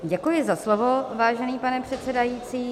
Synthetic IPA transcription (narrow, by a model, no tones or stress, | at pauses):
ɟɛkujɪzaslovovaːʒɛniːpanɛpr̥ɛt̪t͡sɛdajiːt͡siː